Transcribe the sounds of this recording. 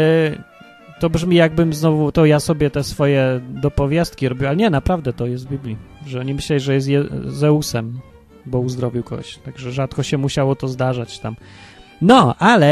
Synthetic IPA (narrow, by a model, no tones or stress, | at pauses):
t̪ɔbʐmʲijaɡ̚bɘmznɔvut̪ɔjasɔbʲjɛt̪ɛsfɔjɛd̪ɔpɔvʲjast̪̚kʲiɾɔbʲjuwalɛɲɛnapɾavd̪ɛt̪ɔjɛst̪vbʲiblʲiʐɛɔɲimɘɕlɛlʲiʐɛjɛs̬t̪jɛzɛusɛm | bɔuzd̪ɾɔvʲiwkɔ̰ɡɔ̰ɕt̪aɡʐɛʐat̪kɔɕɛmuɕawɔt̪ɔzd̪aʐat͡ɕt̪am | nɔʔalɛ